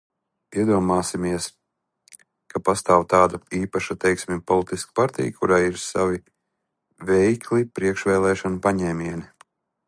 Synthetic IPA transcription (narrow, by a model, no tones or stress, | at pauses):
iɛd̪uɔmaːsimiɛs | kapast̪aːwt̪aːd̪aiːpaʃat̪ɛjksmʲipɔlˠit̪isk̚paɾt̪ḭjkʰuɾaːjiɾsa̰vi | vɛjkʰlipɾiɛkʃvɛːlˠɛːʃɔnupaɲɛːmʲiɛni